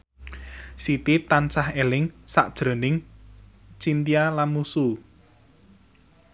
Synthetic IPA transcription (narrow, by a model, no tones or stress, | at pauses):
sit̪it̪ansahelɪŋsa̰ʔd̥ʒ̥ɾo̤nɪŋ | t͡ʃint̪ialamusu